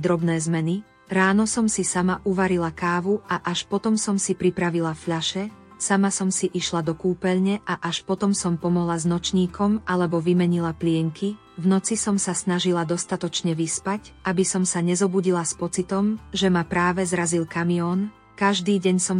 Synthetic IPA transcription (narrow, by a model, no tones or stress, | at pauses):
d̪ɾɔbnɛːzmɛni | ɾaːnɔsɔmsisamaʔuʋaɾilakaːʋuʔaʔaʃpɔt̪ɔmsɔmsipɾipɾaʋilafʎaʃɛ | samasɔmsiʔiʃlad̪ɔkuːpɛʎɲɛʔaʔaʃpɔt̪ɔmsɔmpɔmɔɦlaznɔt͡ʃɲiːkɔmalɛbɔʋimɛɲilaplɪɛŋki | vnɔt͡sisɔmsasnaʒilad̪ɔst̪at̪ɔt͡ʃɲɛʋispacabisɔmsaɲɛzɔbuɟilaspɔt͡sit̪ɔmʒɛmapɾaːʋɛzɾazilkamiɔːn | kaʒd̪iːɟɛɲsɔm